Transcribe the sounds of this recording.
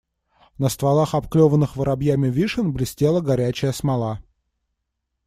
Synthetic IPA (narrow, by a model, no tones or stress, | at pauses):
nəst̪valˠaxɐpklʲovənːɨxvəɾabjæmʲɪvʲiʂɨnblʲɪsʲtʲe̞lˠəɡɐɾʲæt͡ɕɪjəsmɐlˠa